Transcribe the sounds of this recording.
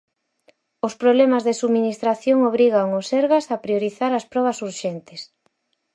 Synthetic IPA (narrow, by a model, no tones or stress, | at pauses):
ospɾoβlɛmazðesuminist̪ɾaθjoŋoβ̞ɾiɣaŋosɛɾɣasapɾioɾiθaɾɐspɾɔβ̞ɐsuɾʃɛnt̪ɪs